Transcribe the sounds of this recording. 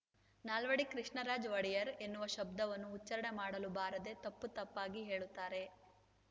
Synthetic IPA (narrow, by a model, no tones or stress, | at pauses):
naːlʋɐɽikɾiʂɳɐɾaːd͡ʒʋɐɽijɐɾe̞nːuʋɐʃɐb̚d̪ɐʋɐnːuːt͡ʃːɐɾɐɳemaːɽɐlubaːɾɐd̪e̞t̪ɐpːut̪ɐpːaːɡiɦe̞ːɭut̪ːaːɾe̞